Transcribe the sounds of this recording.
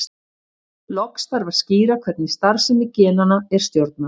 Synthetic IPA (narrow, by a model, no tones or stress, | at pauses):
lɔkst̪aɾvaðsciːɾakʰvɛt̪nɪst̪aɾ̥sɛmɪcɛːnanaɛɾ̥st̪jowɾt̪̚na